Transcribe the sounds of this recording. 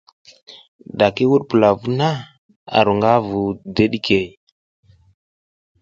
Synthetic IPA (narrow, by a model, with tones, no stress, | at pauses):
ɗa˨ki˦wu˦ɗpu˨la˨vu˦na˦ | a̰˨ɾu˨ŋɡa˦vu˨de˦ɗi˦kʰe˨j